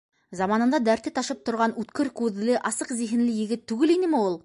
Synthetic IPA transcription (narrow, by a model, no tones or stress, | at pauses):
zɑmɑnənd̪ɑd̪æɾt̪ːet̪ʰɑʃəp̚t̪ʰʊɾʁɑnwɵt̪kʲɪɾkʰʲɵðɪlɪʔɑsəqzeɦɪnlɪjɪ̆ɡʲɪt̪ʰːʉɡʲɪlenɪmewo̞lˠ